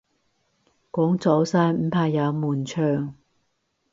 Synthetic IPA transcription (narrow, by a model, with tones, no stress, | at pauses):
kɔː˨˥ŋt͡sɔ˨˥wsaː˧˥jm̩˨˥pʰaː˧jɐ˨˧wmuː˨˩nt͡ʃʰœː˧ŋ